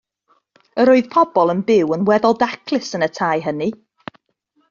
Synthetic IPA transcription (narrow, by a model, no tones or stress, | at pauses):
əɾoɨð̥pʰɔbɔlˠənbɪwənwɛðɔlˠdakʰlˠɪsənətʰajɦəni